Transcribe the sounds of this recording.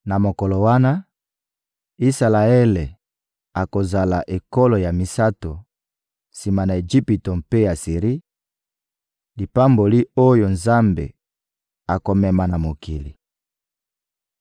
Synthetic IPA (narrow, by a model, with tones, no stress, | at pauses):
na˨mo˨kɔ˨lo˨wa˦na˦ | i˦sa˨la˨ɛ˦le˨ | a˨ko˨za˨la˨ʔe˨kɔ˦lo˨ja˨mi˨sa˦to˨ | si˨ma˨na˨e˨ʒi˦pi˨to˨mpe˦ja˨si˨ʁi˦ | li˨pa˦mbo˨li˦o˦jo˨nza˦mbḛ˨ | a˨ko˨mɛ˨ma˨na˨mo˨kʰi˨lḭ˨